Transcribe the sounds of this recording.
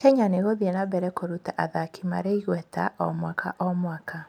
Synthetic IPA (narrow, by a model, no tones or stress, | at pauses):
kɛɲaneɣoðiɛnabɛɾɛkoɾutaʔaðakima̰ɾeiɣwɛta̰ʔɔmwakʰa̰ʔɔmwaka